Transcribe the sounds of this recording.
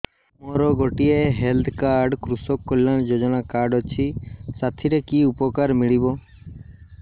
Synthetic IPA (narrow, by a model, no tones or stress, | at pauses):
moɾɔɡɔʈieɦeld̪ʰkaɾɖkɾusɔkːɔlːand͡ʒod͡ʒɔnakaɾɖɔt͡ʃʰisat̪ʰiɾekiupɔkaɾmiɭibɔ